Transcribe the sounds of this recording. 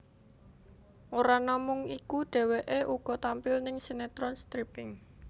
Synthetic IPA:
ʔoɾanɔmʊŋikuɖ̥ɛ̤weʔeʔuɡ̥ɔ̤t̪ampɪlnɪŋsenet̪ɾɔnst̪ɾipɪŋ

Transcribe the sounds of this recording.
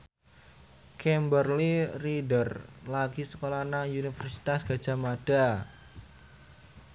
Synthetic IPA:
kʰɛmbərliridərlaɡ̥isəkolanaŋjunifərsi̥t̪asɡ̥a̤d̥ʒ̥a̤maɖ̥a̤

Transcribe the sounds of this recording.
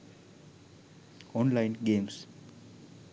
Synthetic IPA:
ɔ̃nlajnɡẽms

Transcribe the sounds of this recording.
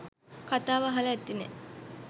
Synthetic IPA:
kat̪aːʋaɦaləːt̪ːinḛ

